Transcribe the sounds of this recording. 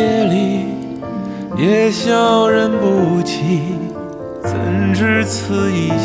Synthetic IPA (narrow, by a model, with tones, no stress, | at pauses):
ɛ˥li˧˩ | jɛ˨˧˩ɕjɑ˥˩ʊɻə˧˥npu˧˩t͡ɕʰi˧ | t͡sʰə̰˧˥nʈ͡ʂɻ̩˥t͡s̩ʰ˧˥i˧˩